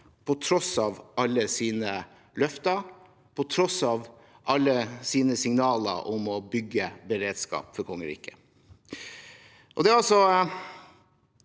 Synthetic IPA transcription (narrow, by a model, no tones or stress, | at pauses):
pʰɔt̪ʰɾɔsɑːʋɑlːəsiːnə | lœft̪ɑɾ | pʰɔt̪ʰɾɔsɑːʋ | ʔɑlːəsiːnəsɪŋnɑːlə̰ɾʔʊmɔbʏɡəbəɾeːd̪skɑ̰ːpfɔɾkʰɔŋːəɾḭːkə | ʔɔd̪ɛɑlsɔ